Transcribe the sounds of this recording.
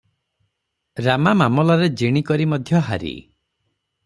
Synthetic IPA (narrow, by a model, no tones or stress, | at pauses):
ɾamamamɔlaɾed͡ʒiɽ̃ikɔɾimɔd̪ʱjɔɦaɾḭ